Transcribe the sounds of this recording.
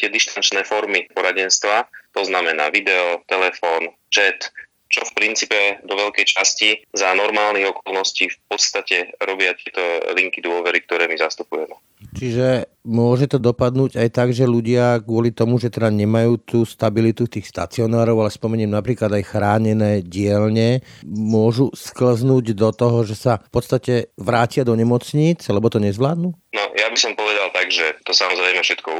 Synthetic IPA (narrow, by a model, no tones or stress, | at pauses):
t̪ɪɛd̪iʃt̪ant͡ʃnɛːfɔɾmipɔɾaɟɛnst̪ʋat̪ɔznamɛna̰ːʋid̪ɛɔt̪ɛlɛfɔːn | t͡ʃɛt̪ | t͡ʃɔfpɾint͡siːpɛd̪ɔʋɛʎkɛjt͡ʃascizanɔɾmaːlniɣɔkɔlˠnɔsciːfp̚ɔt̪st̪acɛɾɔbɪat̪ɪɛt̪ɔliŋkid̪ʊɔʋɛɾik̚t̪ɔɾɛːmizast̪upujɛmɛ | t͡ʃiʒɛmʊɔʒɛt̪ɔd̪ɔpad̪nuːɟajt̪aɡʒɛluɟɪaɡʊɔlit̪ɔmuʒɛt̪ɛd̪aɲɛmajuːt̪uːst̪abilit̪ut̪iːxst̪a̰t͡siɔnaːɾɔʊalɛspɔmɛɲɛːmnapɾiːklad̪ajxɾaːɲɛnɛːɟɪɛlɲɛmʊɔʒuskl̩znuːɟd̪ɔt̪ɔɦɔʒɛsafpɔt̪st̪acɛʋɾaːcɪad̪ɔɲɛmɔt͡sɲiːt͡salɛbɔt̪ɔɲɛzʋlaːd̪nuːnɔjabisɔmpɔʋɛd̪alˠt̪aɡʒɛt̪ɔsamɔzɾɛjmɛfʃɛt̪kɔ